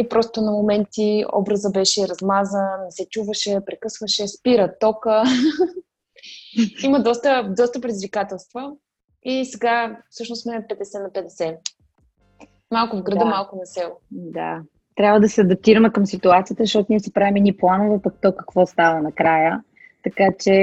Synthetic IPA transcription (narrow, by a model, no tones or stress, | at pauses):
ipɾɔst̪onɐmomɛnt̪iɔ̰bɾəzəbɛʃɛɾɐzmazənɛsɛt͡ʃuvəʃɛpɾɛkɤsvəʃɛspiɾət̪ɔkə | iməd̪ɔst̪əd̪ɔst̪əpɾɛd̪ʲizvikat̪ɛlˠst̪və | isɛɡafsɤʃnʊsmɛpɛd̪ɛsɛnɐpɛd̪ɛsɛ | malˠkʊvɡɾɐd̪əmalˠkʊnɐsɛlˠʊd̪a̰ | t̪ɾjabvəd̪ɐsɛɐd̪ɐp̚t̪iɾəmɛkəmsit̪uat̪sijət̪əzəʃt̪ɔt̪ʊniɛsɛpɾavimɛniplˠanovəpək̚t̪ɔkɐ̥kvɔst̪avənɐkɾajə | t̪ɐkat͡ʃɛ